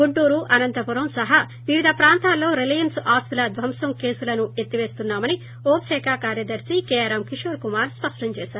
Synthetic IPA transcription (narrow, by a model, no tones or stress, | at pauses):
ɡuɳʈuːɾuʔɐnɐnt̪ɐpuɾɐmsɐɦɐ | ʋiʋid̪ʱɐpɾaːnt̪aːlːo̞ːɾelijɐnsaːst̪ilɐd̪ʋʱɐmsɐmke̞ːsulɐnuet̪ːiʋe̞ːst̪unːaːmɐni | oːpʃɛːkʰaːkaːɾjɐd̪ɐɾsikɛːjaːɾɐmkiʂoːɾkumaːɾspɐʂʈɐɲt͡ʃɛːʃaːɾu